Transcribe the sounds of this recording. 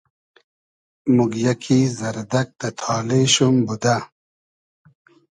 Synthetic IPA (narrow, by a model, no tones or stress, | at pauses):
muɡjɐkʰizɐɾd̪ɐk̚d̪ɐt̪ʰɑːleɕumbud̪a